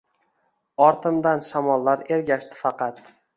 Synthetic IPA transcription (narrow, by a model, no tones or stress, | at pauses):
ɒɾt̪ʰɪmd̪anʃamɒlˠːaɾe̞ɾɡʲaʃt̪ʰɪ̥fɑqʰɑt̪